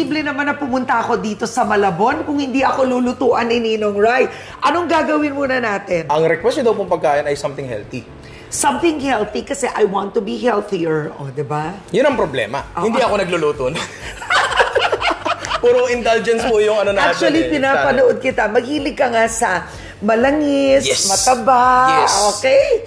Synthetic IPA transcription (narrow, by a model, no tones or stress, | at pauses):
iblɛnɐmanɐpʊmʊnt̪ɐʔɐko̞d̪iːt̪o̞sɐmɐlɐbo̞nkʊŋhɪnd̪iʔɐko̞luːlʊt̪uːʔɐnɪninoŋɹaj | ʔɐno̞ŋɡaːɡɐwɪnmuːnɐnaːt̪ɪnʔɐŋɾɛkwɛstod̪ɐwpoŋmpɐɡ̚kaːʔɪnɐjsɐmt̪ɪŋhɛ̰lt̪i | sɐ̃mθɪ̃ŋhɛlt̪ikɐsɛʔɐjwãnt̪ːʊbiɦɛlθiəɹʔod̪ɪba | jʊnɐŋpɾoblɛ̰ːmɐʔohɪnd̪iʔɐko̞nɐɡ̚lʊluːt̪on | pɛɾoɪnd̪ald͡ʒɛnspojʊŋɐnonak̚t͡ʃuɐlipɪnaːppɐnoʔod̪̚kɪt̪amɐɡiːlɪɡ̚kɐŋasɐ | mɐlɐŋɪsɛmɐt̪ɐbaɛoːkɛj